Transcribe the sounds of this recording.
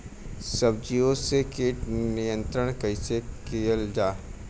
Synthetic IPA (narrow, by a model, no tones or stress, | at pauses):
səb̚d͡ʒiosekeːʈnijə̃nt̪ɾəɽ̃kəɪsekeːəld͡ʒaː